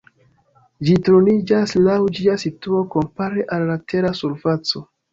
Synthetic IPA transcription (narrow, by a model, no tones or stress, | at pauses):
d͡ʒitɾonid͡ʒaslawd͡ʒiasituo̞ko̞mpaɾe̞ʔalːatʰe̞ɾasuɾfat͡so̞